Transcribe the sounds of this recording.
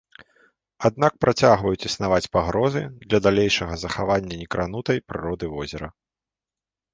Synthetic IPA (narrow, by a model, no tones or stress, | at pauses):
ad̪̚nak̚pɾʔat͡sʲaɣvɐjut͡sʲisnavat͡sʲpaɣɾɔzɨd̪lʲɐd̪alʲejʂɐɣɐzɐxavanʲːɐnʲɛkɾan̪ut̪ɐjpɾɨ̰ɾɔd̪ɨvɔzʲɛɾɐ